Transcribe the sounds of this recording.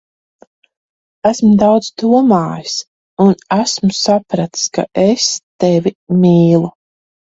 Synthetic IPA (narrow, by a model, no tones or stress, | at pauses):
æsmud̪awd̪zd̪uɔmaːjis | unæsmʊsapɾat̪ska̰ʔest̪ɛvʲimiːlˠu